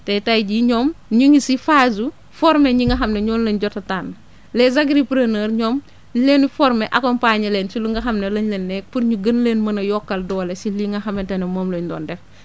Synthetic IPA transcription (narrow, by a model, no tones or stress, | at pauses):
tɐjtajɟiɲɔːmɲuŋisifaːzu | fɔɾmeɲiŋɡɐɦɐmnɐɲɔːnlɐɲɟɔtɐtaːn | lɛzaɡɾipɾɐnəːɾɲɔːm | leːnfɔɾmeʔɐkɔnpaːɲɐleːnsiluŋɡɐxɐmnɐlɐɲlɐnːɛk̚puɾɲuɡɐnleːnmɐnɐjɔkːɐldɔːlesiliŋɡɐxɐmɛntɐnɐmoːmloɲdɔ̰ːndɛx